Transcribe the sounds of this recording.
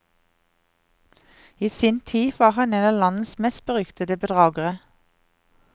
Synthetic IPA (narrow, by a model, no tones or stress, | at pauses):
iːsiːnt̪ʰiːʋɑːʁhɑneːnɑːlɑnn̩smɛst̪̚bəʁʏkt̪əd̪əbəd̪ʁɑːɡəʁə